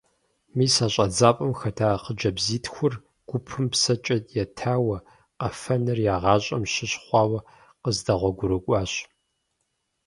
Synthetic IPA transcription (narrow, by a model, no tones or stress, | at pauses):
miːsaɕʼɐd͡zaːpʼɐmxɐtʰaːqəd͡ʒɐbziːtʰxʷʊr | ɡ̥ʷʊpʰɨmpsɐt͡ʃʼɐtʼjɛtʰaːwɐ | qɐfɐnɨrjaːʁɑːɕʼɐmɕɪɕχʷɑːwɐ | qəzdɐʁʷɔɡʷʊɾɨkʷʼɑːɕ